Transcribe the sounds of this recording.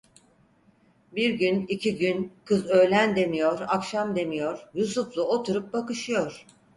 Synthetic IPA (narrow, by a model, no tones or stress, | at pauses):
biɾɟynicʰiɟynkʰɯzø̞jlʲænd̪e̞mijo̞ɾakʃamd̪e̞mijo̞ɾ̥jusuflˠuot̪ʰuɾup̚bakɯʃɯjo̞ɾ̥